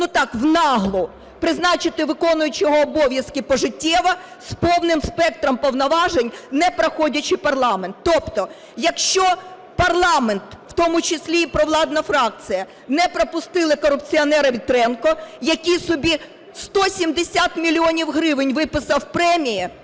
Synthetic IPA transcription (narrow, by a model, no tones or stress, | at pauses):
nut̪ɑkwnɑɦlˠʊ | pɾɪznɑt͡ʃɪt̪ɪʋɪkɔnʊjʊt͡ʃɪjɔɦɔːbɔʋʲjɐskɪpɔʒɪtʲːɛʋɐ | spɔwnɪmspɛk̚t̪ɾɔmpɔwnɐʋɑʒenʲnɛpɾɐxɔdʲɐt͡ʃɪpɐrlˠɑment̪ːɔpt̪ɔ | jɐkʃt͡ʃɔ | pɐrlˠɑment̪w̥t̪ɔmʊt͡ʃɪsʲlʲipɾɔʋlˠɑd̪nɐfɾɑk̚t͡s̪ɨjɐ | nɛpɾɔpʊst̪ɪlˠɪkɔɾʊpt͡sʲiɔnɛɾɐʋʲit̪ɾɛnkɔjɐkʲisʊbʲi | st̪ɔsʲimd̪esʲat̪mʲilʲiɔnʲiwɦɾɪʋɪnʲʋɪpɪsɐwpɾɛmʲiji